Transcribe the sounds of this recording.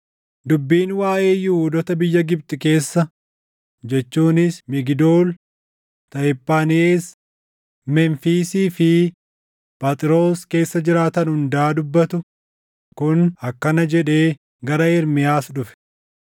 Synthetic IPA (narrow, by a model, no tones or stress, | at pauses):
d̪ʊbːiːnwaːʔe̞ːjʊʊd̪ɔt̪ɐbɪjːɐɡɪb̚t̪ʼɪke̞ːsːɐ | d͡ʒɛt͡ʃːuːnɪsmɪɡɪd̪oːl | t̪ɐɪpːaːnɪeːs | mɛnfiːsiːfɪ | pʼɐt̪ʼɪɾo̞ːske̞ːsːɐd͡ʒɪɾaːt̪ɐnhʊnd̪aːd̪ʊbːɐt̪ʊ | kʊnɐkːɐnɐd͡ʒɛᶑe̞ː | ɡɐɾɐɪɾmɪjaːsᶑʊfɛ̥